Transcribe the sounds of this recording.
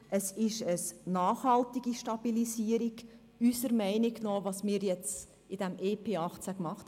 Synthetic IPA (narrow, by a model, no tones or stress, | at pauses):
əsɪʃəsnɑːχhɑltiɡiʃtɑb̥ilisiəɾiɡ | ysəɾmɛɪniknoːvɑsmɪːɾjɛt͡s | ɪd̥ɛmʔeːpʰeːɑχt͡sækmɑχt